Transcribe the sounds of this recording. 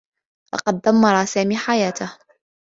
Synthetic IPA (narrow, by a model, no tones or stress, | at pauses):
lɑ̰qɑd̪̚ːamːɑɾˤɑːsaːmiːħajaːt̪ah